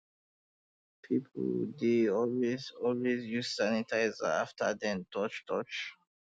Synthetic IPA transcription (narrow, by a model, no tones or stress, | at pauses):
pʰipʰdeɔlwezɔlwezjussanitʰaɪzə̰aftʰə̰dɛ̃ntʰɔt͡ʃtʰɔt͡ʃ